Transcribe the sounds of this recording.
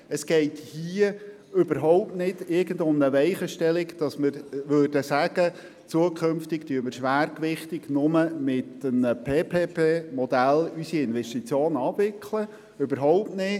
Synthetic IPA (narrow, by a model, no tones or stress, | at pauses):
əsɡ̥ɛɪthiə | ʏbəɾɦɔʊp̚tnɪdɪɾɡəndʊmnəʋɛɪχəʃtɛlɪkd̥ɑsmɪɾʋøːrd̥əsæɡ̥ə | t͡suəkʰχømftɪktyəməɾʃʋæːrkʋɪχt̪ɪɡ̥nʊməmɪtənəpʰeːpʰeːpeːmɔd̥̪ælysiɪnʋɛstit͡sjoːnɑːbʋɪkʰlə | ybəɾɦɔʊp̚tnɪ